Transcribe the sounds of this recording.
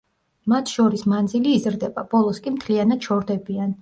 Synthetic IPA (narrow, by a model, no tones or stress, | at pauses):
mat̪ʰʃɔɾismand̪ziliːzɾd̪ɛbab̥ɔlˠɔskʼimt̪ʰlianad̪̥ʃʰɔɾd̪ɛbian